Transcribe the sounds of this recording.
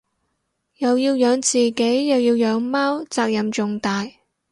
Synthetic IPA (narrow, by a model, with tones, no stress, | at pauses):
jɐ˨wjiː˧wjœː˨˧ŋt͡siː˨ke˨˥jjɐ˨wjiː˧wjœː˨˧ŋmaː˥wt͡saː˧k̚jɐ˨mt͡sʊ˨ŋt̪aː˨j